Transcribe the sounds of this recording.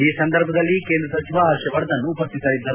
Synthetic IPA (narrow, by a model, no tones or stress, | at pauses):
iːsɐnd̪ɐɾbʱɐd̪ɐlːike̞ːnd̪ɾɐsɐt͡ʃʰiʋaaːʃjɐʋɐɾɐd̪ɐnːuːpɐst̪ːisɐɾid̪ːɐɾu